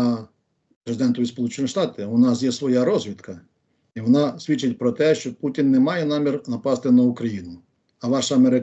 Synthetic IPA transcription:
pɾezɪd̪ɛnt̪ɔʋʲispɔlˠut͡ʃenʲiʃt̪ɑt̪ɪʊnɑs̬jɛsʋɔjaɾɔzʲʋʲit̪kɐ | iʋɔnɑsʲʋʲit͡ʃːɪtʲpɾɔt̪ɛʃt͡ʃɔputʲinːɛmɑjɛnɑmʲirnɐpɑst̪ɪnɐukɾɐjinʊ | ɐʋɑʃɐɐmeɾɪ

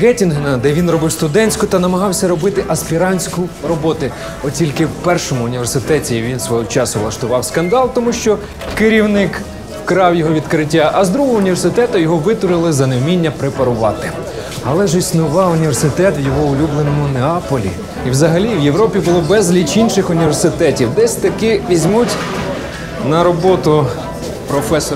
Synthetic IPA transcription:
ɡɛtʲinɦenɐd̪ɛʋʲinrɔbɪwst̪ʊd̪ɛnʲsʲkʊt̪ɐnɐmɐɦɑwsʲɐɾɔbɪt̪ɪʔɐspʲiɾɑnʲsʲkʊrɔbɔt̪ʊ | ɔtʲilʲkɪwpɛrʃɔmʊːnʲiʋe̞rsɪt̪ɛtʲiʋʲinsʋɔɦɔt͡ʃɑsʊʋlˠɐʃt̪ʊʋɑwskɐnd̪ɑlˠt̪ɔmuʃt͡ʃɔ | kɪɾʲiwnɪk | kɾɑwjɔɦɔʋʲid̪kɾɪtʲːaʔɐzd̪ɾuɦɔɦɔʊnʲiʋʲersɪt̪ɛt̪ʊjɔɦɔʋɪt̪ɔɾɪlˠɪzɐnewmʲinʲːɐpɾepɐɾʊʋɑ̰t̪ɪ | ɐlˠɛʒisnʊʋɑʊnʲiʋʲersɪt̪ɛt̪wjɔɦɔʊlʲublˠenɔmʊneɑpɔlʲḭ | iwzɐɦɐlʲiwjewɾɔpʲibʊlˠɔbɛzlʲit͡ʃinʃɪxʊnʲiʋʲersɪt̪ɛtʲiwd̪ɛsʲt̪ɐkɪʋʲizʲmutʲ | nɐɾɔbɔt̪ʊ | pɾɔfɛs

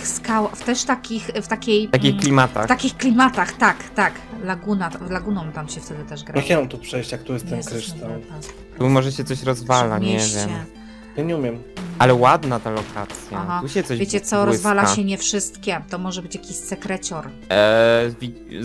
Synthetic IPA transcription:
skawft̪ɛʂt̪akʲixft̪akʲej̪ak̬ʲixklʲimat̪a̰fxt̪akʲixklʲimat̪axt̪akt̪aklaɡunalaɡunɔ̃w̃t̪amɕɛft̪ɛd̪ɘt̪ɛʐɡɾakʲɛɔmt̪upʂɛjɕt͡ɕjak̚t̪uɾest̪ɛmkɾɘʂt̪al | t̪umɔʐɛɕɛt̪sɔɕɾɔzvala̰ɲɛɛvʲjɛmɛ | jaɲɛumʲjɛmʔalɛwad̪nat̪alɔkʰa̰t̪sʲjatɦauɕɛt̪sɔvʲet͡ɕɛt̪sɔɾɔzvalaɕɛɲɛfʂɘst̪kʲɛt̪ɔmɔʐɛbɘt͡ɕjakʲiɕsɛkɾɛt͡ɕɔɾ | vʲi

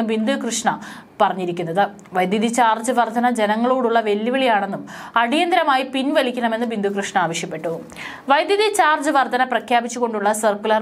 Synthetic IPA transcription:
ɨʋind̪ʱukrɨʂɳɐ | pɐrɐɲːiɾikʲːunːɐðɨ | ʋɐjd̪jɐðit͡ɕaːrd͡ʑɨʋɐrd̪ʱɐnɐd͡ʑe̞nɐŋːɐɭoːɽuɭːɐʋe̞lːiʋɐɭijaːɳe̞nːumɐɽijɐnd̪ɐɾɐmaːjipinʋɐlikʲːɐɳɐme̞nːɨʋind̪ʱukrɨʂɳɐaːʋɐɕjɐpːe̞ʈːu | ʋɐjd̪jɐðit͡ɕaːrd͡ʑɨʋɐrd̪ʱɐnɐprɐkʰjaːbit͡ɕːuɣo̞ɳɖuɭːɐsɐrkulɐr

